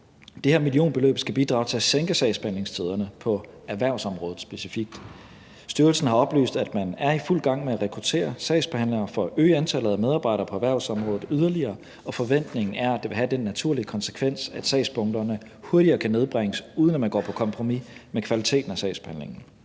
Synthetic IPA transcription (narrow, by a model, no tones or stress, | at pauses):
d̥eheɐ̰milio̝̰ːnb̥e̝lø̰ːb̥sɡ̥æb̥id̥ʁɑ̈ʊt͡sʰe̝seŋɡ̥əsɛɪsb̥ehænle̝ŋst͡sʰið̞ˠɐnəpʰɒ̽ | æɐʋæɐ̰ʊsɒ̽mʁɔ̽ːð̩ˠsb̥e̝sifiɡ̥̚d̥ | sd̥yɐlsn̩hɑ̈ɒ̽b̥ly̰ːsd̥æd̥mænæɐiful̰ɡ̥ɑ̈ŋ̰meæʁɛkʰʁut͡sʰe̝̰ːɐsɛɪsb̥ehæn̰le̝ŋɐfɒ̽ʔøːɪænt͡sʰæl̰ð̩ˠæmeð̞ˠɑ̈ːb̥ɑ̈ɪɾɐːpʰɒ̽æʋæɐ̰ʊsɒ̽mʁɔ̽ːðð̩ˠyð̞ˠɐliɐː | ɒ̽fɒ̽ʋen̰d̥ne̝ŋn̩æɐædd̥e̝ʋe̝ɦæd̥enːæt͡sʰuɐliəkʰɒ̽nsə̥kʰʋen̰sæd̥sɛ̰ɪsb̥ɔ̽ŋd̥ɐnə | huɐɾiɐːkʰæne̝ð̞ˠb̥ʁeŋəsuːð̞ˠənæmænɡ̥ɒ̰ːpʰɒ̽kʰɒ̽mpʰʁo̝mimekʰʋælit͡sʰe̝̰ːd̥n̩æsɛ̰ɪsb̥ehænle̝ŋn̩